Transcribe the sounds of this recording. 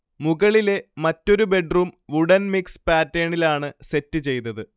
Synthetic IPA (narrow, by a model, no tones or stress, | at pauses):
muɣɐɭile̞mɐtːo̞ɾube̞ɖruːmʋuɽɐnmikspaːtːeːɳilaːɳɨse̞tːɨt͡ɕe̞jnɐðɨ